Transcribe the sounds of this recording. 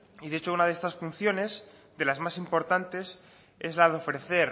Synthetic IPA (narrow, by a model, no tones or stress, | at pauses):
iðet͡ʃo̞unað̞est̪asfun̟θjo̞ne̞s | ðe̞lazmasimpo̞ɾt̪ant̪e̞s | ezlaðeo̞fɾe̞θe̞ɾ